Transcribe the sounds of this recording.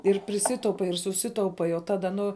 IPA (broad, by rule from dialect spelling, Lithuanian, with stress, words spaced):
ɪr pʲrʲɪˈsʲɪtɐʊpɐɪ ɪr sʊˈsʲɪtɐʊpɐɪ oː ˈtɑːdɐ ˈnʊ